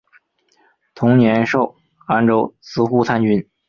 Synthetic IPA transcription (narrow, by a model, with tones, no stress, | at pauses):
t̪ʰʊ˧˥ŋnjɛ˧˥nʂo˥˩ʊ | a˥nʈ͡ʂo˥˩ʊt͡sʰɹ̩˧˥xu˥˧t͡s̪ʰa˥nt͡ɕy˧˥n